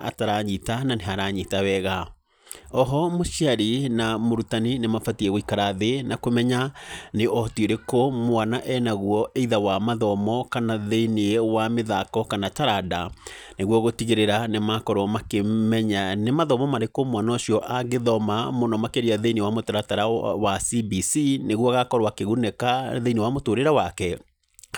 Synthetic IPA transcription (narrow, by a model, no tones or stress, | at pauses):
a̰taɾaɲitananeɦaɾaɲitawɛɣa | ɔɦɔmoʃiaɾinamoɾutaninemafatiɛɣoikaɾaðenakomɛɲaneʔɔtweɾekomwanaʔɛnaɣwɔʔeiðawamaðɔmɔkanaðeineewameðakɔkanataɾada | neɣwɔɣotiɣeɾeɾanemakɔɾwamakemɛɲanemaðɔmɔmaɾekomwanaɔʃiɔʔaɡeðɔmamonɔmakeɾeaðeinewamotaɾataɾawasibisineɣwɔɣakɔɾwakeɣunɛkaðenewamotoːɾeɾawakɛ